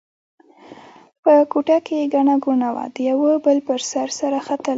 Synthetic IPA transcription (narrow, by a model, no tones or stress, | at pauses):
pəkuʈakeɡaɳaɡunawa̰d̪əjawəbəlpəɾsaɾsaɾaxat̪əl